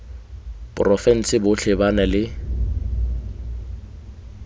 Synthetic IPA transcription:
pʼʊrɔfɛn̩sɪbʊɬʰɪbanalɪ

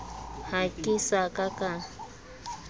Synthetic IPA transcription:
hakisakaka

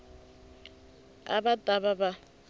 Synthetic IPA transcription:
a̰batʼaβaba

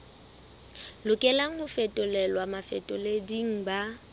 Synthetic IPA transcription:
lʊkʼɛlaŋ̩hʊfɛtʼʊlɛlwamafɛ̰tʼʊlediŋ̩ba

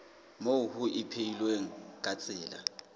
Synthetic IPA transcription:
mohʊʔɪpʰeilweŋ̩kʼat͡sʼɪːla̰

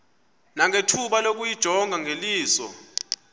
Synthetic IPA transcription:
naŋʱetʰuɓalok̬ujid̥ʒ̥ʱɔŋɡʱaŋʱeliːsɔ̰

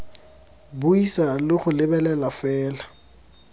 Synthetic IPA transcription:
bʊisalɪχʊlɪbɛlɛlafɛːla

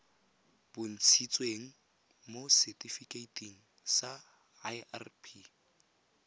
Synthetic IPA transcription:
b̥ʊn̩t͡sʰit͡sʼweŋ̩ | mosɛtʼifikʼeitʰʼiŋ̩ | sa | arpʰi

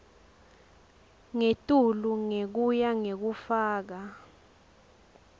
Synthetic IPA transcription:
ŋetʼuluŋek̬ujaŋek̬ufaːk̬a

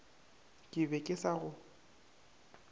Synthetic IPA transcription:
kʼɪbɛkʼɪsaɣʊ

